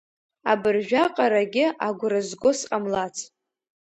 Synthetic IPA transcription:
abɨrʒᶣaqʼaɾaɡʲɪʔaɡʷʊɾɨzɡʷosqʼamlat͡sʰʼ

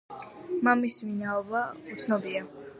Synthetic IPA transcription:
mamisminaɔbaut̪sʰnɔbia

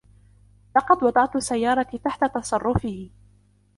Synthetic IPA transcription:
lɑqɑd̪wɑd̪ˤɑʕt̪ʊsːajːɑːɾˤɑit̪aħt̪at̪ɑsˤɑrˤːʊfɪhɪ

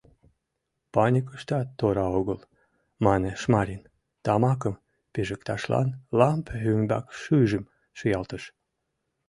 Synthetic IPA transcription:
pɑnʲikəʃt̪ɑt̪ːoɾɑoɣəl | mɑneʃmɑɾʲin | t̪ɑmɑkəm | peʒəkt̪ɑʃlɑ̰nlɑmphyŋbɑ̰kʃyʒəm | ʃəjɑlt̪əʃ

